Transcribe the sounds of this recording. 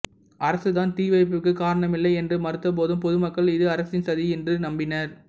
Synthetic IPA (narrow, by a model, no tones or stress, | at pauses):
ɐɾɐsɯt̪aːnt̪iːʋɐɪp̬ːɯkːɯkaːɾɐɳɐmɪlːɐɪɛndrɯmɐɾɯt̪ːɐp̬oːðɯmpɔðɯmɐkːɐɭɪðɯɐɾɐsɪnsɐðiɛndrɯnɐmbɪnɐɾ